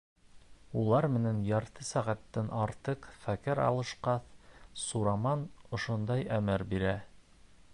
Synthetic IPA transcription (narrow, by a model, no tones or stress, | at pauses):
ulˠɑɾmɘ̆nænjɑɾt̪ɤsæʁæt̪ːɘnʔɑɾt̪ɤqfækɘɾɑ̰lˠɤ̆ʃqɑθsuɾɑmɑnŏʃond̪ɑjæmɘɾbiɾæ